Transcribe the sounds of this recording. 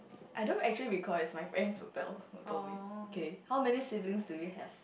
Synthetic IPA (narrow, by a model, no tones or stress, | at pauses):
ʔajdõntɛk̚t͡ʃuəliɹikʰɔɪsmajfɹɛ̃nsho̰tɛ̰lotʰomiokehawmɛnisiblĩŋsdujuɦɛ̰v̥